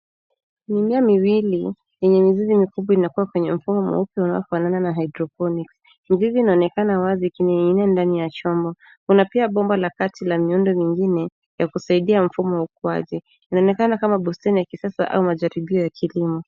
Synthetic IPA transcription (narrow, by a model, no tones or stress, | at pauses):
nimiamiwili | jɛɲɛmizizimikuɓwainakuwakwɛɲɛm̩fumɔmɔ̰upjɔuna̰ɔfanananaɦajdɾɔpɔniks | miziziːnaɔnɛkanawazikiniinɛndanijat͡ʃɔmbɔ | kunapiaɓɔmbalakatilamiundɔmiŋɡinɛ | jakusaiɗiam̩fumɔwaukua̰ʄɛ | inaɔnɛkanakamaɓustɛnijakisasa̰ʔa̰umaʄaɾiɓiɔjakʰilimu